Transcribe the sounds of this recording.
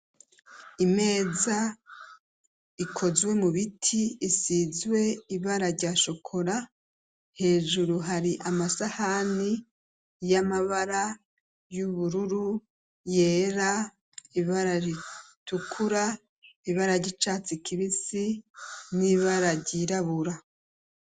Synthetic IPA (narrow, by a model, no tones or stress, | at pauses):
ime̞ːza | ikʰo̞zwe̞muβitʰiːsizwe̞iβaɾaɾɟaːʃo̞kʰo̞ɾa | he̞ːʒuɾuɦaɾiʔamasahani | jamaβaɾa | juβuɾuɾu | je̞ːɾa | iβaɾaɾitukʰuɾa | iβaɾaɾɟit͡ʃaːt͡sikʰiβisiniβaɾaɾɟiɾaβuɾa